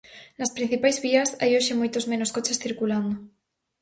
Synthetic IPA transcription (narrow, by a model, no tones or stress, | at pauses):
laspɾin̟θipajzβiasa̰joʃemojt̪ozmẽnoskot͡ʃesθiɾkuland̪o